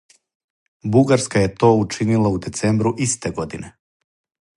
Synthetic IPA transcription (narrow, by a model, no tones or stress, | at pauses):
buɡaɾskaje̞t̪o̞ːut͡ʃinilaud̪e̞t̪seːmbɾuʔist̪eɡo̞d̪ine